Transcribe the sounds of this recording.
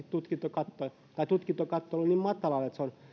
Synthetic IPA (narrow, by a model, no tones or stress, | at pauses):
it̪t̪ut̪kint̪ːokɑt̪ːo | t̪ɑit̪ut̪kint̪okɑt̪ːolːonʲiːmmɑt̪ːɑlɑlet̪seon